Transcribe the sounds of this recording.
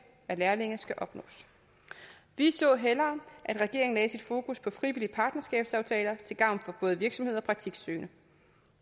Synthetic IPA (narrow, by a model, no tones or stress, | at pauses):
æɐlæɐle̝ŋɐsɡ̥æʔɒ̽b̥nɔ̰̽ːs | ʋisɔ̰̽ːɦelɐːʔædʁɛɡ̥e̝ɐ̰eŋn̩lɛːsid̥fo̝ːkuspʰɒ̽fʁiʋiliəpʰɑ̈ːd̥nɐsɡ̥ɛ̰ːb̥sɑ̈ʊt͡sʰɛ̰ːlɐt͡sʰe̝lɡ̥ɑ̈ʊnfɒ̽b̥ɔ̽ːð̞̩ˠəʋiɐɡ̥sɒ̽mhe̝ð̞̰ˠɒ̽pʰʁɑ̈ɡ̥̚t͡sʰiɡ̥søːnʔə